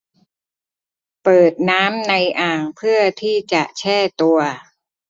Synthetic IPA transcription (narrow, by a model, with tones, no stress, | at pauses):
pɤː˨˩t̪̚naː˦˥mna˧jʔaː˨˩ŋpʰɯ˥˩ɐt̪ʰiː˥˩t͡ɕa˨˩ʔt͡ɕʰɛː˥˩t̪u˧ɐ